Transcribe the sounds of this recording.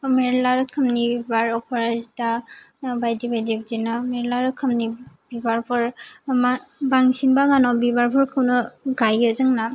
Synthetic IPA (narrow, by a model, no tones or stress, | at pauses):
meɾlaɾɯkʰɯmnibibaɾɔpʰaɾazidabajdibajdib̚zinɯmeɾlaɾɯkʰɯmnibibaɾpʰɯɾ | baŋsinbaɡanɔbibaɾpʰɯɾkʰɯwnɯɡajɡɯzɯŋna